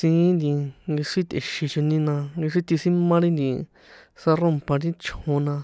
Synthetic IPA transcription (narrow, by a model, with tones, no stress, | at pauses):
sĩ˧˦nd̪ĩ˧ŋɡi˧ʂi˦t̪e˨ʃi˧t͡ʃo˧nĩ˧nã˧ŋɡi˧ʂi˦t̪i˧sĩ˦mã˦ɾĩ˦nd̪ĩ˧ | sa˧rõ˦mpã˧ɾĩ˦t͡ʃhõ˧nã˧